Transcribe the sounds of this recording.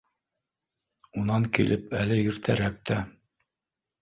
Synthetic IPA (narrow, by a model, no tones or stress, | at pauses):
unɑŋkḭlʔɘpælɘjɵ̆ɾt̪ʰæɾæk̚t̪ʰæ